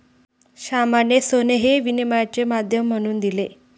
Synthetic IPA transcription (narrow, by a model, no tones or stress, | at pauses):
ɕamanjesoneɦeʋinimajat͡ɕemad̪ʱjəm̤ːəɽ̃uːnd̪ile